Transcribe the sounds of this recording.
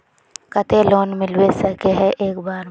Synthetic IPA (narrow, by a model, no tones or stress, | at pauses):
kɐt̪eloːnmɪlwesɐkeɦɛʔeːkbaːɾ